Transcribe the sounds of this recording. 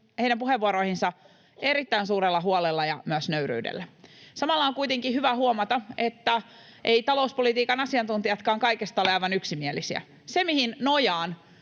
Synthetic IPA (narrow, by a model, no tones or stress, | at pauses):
hejɾæmpuheʋːuoɾo̞ihinsɑ | e̞ɾit̪ːæinsuːɾelːɑɦuolelːɑjɑmyøsnøyɾy̰ːdḛlːæsɑmɑlːɑoŋkujt̪eŋkihyʋæhuomɑt̪ɑet̪ːæʔeit̪ɑlo̞uspolit̪iːkɑnɑsiɑnt̪unt̪ijɑt̪kɑːŋkɑjkest̪ɑoleɑjʋɑnyksimielisiæ̰ | se̞mihinnojɑːn